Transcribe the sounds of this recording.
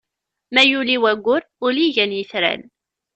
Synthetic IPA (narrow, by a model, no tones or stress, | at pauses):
mæjuliwæɡʷːʊɾ | ʊliʝænjəθɾæ̰l